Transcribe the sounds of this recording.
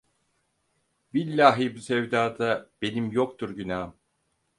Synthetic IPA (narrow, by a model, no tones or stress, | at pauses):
bilʲːaːɦibusɛvd̪aːd̪ab̥e̞nimjokt̪ʰuɾɟynaːm